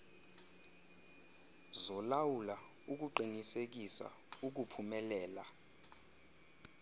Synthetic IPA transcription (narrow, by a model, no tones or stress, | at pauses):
zɔlawula | uk̬uǃiŋisek̬isa̰uk̬upʰumɛlɛːla